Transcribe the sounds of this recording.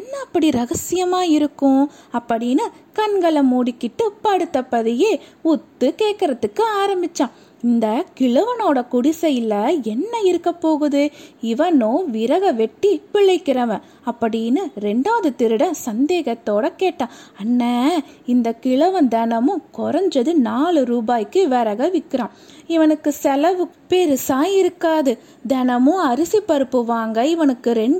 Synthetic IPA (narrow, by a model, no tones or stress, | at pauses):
ɐnːɐɐpːɐɽiɾɐɣɐsɪjɐmaːɪɾɯkːʊ̃ | ɐpːɐɽɪnɯkɐɳɡɐɭɐmuːɽɪkːɪʈːɯpɐɽɯt̪ːɐpːɐðɪjeːʊt̪ːɯkeːʈkɪɾɐðɯkːɯaːɾɐmbɪt͡ʃːãː | ɪnd̪ɐkɪɭɐʋɐnoːɽɐkʊɽɪsɐjɪlːɐɛnːɐɪɾɯkːɐpːoːɣɯðɯɪʋɐnõʋɪɾɐɣɐʋɛʈːipɪɭːɐɪkːɪɾɐʋɐ̃ | ɐpːɐɽɪjnːɯɾɛɳɖaːðɯt̪ɪɾɯɽɐ̃sɐnd̪eːɣɐt̪ːoːɽɐkeːʈːãːɐnːɐ | ɪnd̪ɐkɪɭɐʋɐnd̪ɛnɐmɯ̃kɔɾɐɲd͡ʒɐðɯnaːɭɯɾuːbaːjkːɯʋɛɾɐɣɐʋɪkːɪɾãː | ɪʋɐnɯkːɯsɛlɐʋɯpeɾɯsaːjɪɾɯkːaːðɯ | d̪ɛnɐmɯ̃ɐɾɯsipːɐɾɯpːɯʋaːŋɡɐɪʋɐnɯkːɯɾɛɳɖ